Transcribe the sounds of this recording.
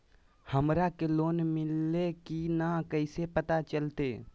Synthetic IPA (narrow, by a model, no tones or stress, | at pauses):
həmɾakeloːnmɪlːekinakəɪsepət̪at͡ʃəlt̪e